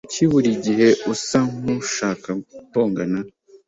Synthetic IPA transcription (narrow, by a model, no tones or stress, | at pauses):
uciβuɾiɟihe̞ʔusaŋuʃaːkapoːŋɡana